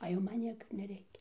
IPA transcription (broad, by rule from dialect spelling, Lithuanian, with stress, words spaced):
ɐ ˈjɛʊ ˈmɐn ˈnʲiɛkɐ ɪr nʲɛˈrʲɛɪkʲɛ